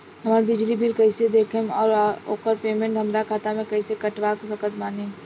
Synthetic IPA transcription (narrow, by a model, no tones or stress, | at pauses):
ɦəməɾbɪd͡ʒlibʱilkəɪsed̪eːkʰemɔːɾoːkəɾpeːmẽɳʈɦəmɾakʰaːt̪amẽkəɪsekəʈʋaksəkət̪maːne